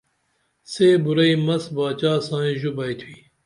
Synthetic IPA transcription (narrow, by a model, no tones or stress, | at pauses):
seːbuɾɐimɐsbaːt͡ɕaːsãːĩʒubɐjt̪ʰwiː